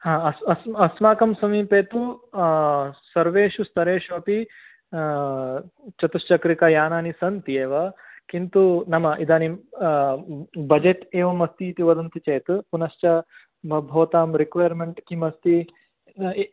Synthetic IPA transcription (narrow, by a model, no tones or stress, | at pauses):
hãːɐsɐsmɐsmaːkɐmsɐmiːpeːt̪u | sɐɾʋeːʃust̪ɐɾeːʃoːpi | t͡ʃɐt̪ust͡ʃɐkɾikɐjaːnaːnisɐnt̪ieːʋɐkint̪unɐmɐʔid̪aːni | bɐd͡ʒeʈ̪eːʋɐmɐst̪iːt̪iʋɐd̪ɐnt̪ʰit͡ʃɐjt̪ɨpunɐʃt͡ʃɐ | bɐbʱoːt̪aːmɾikʋaːjɐɾmeɳʈkimɐst̪i